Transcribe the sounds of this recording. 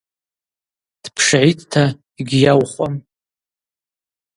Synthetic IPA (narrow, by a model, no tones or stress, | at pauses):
d̥pʰʂʕitʰʼtʰa | iɡʲjawχʷʼam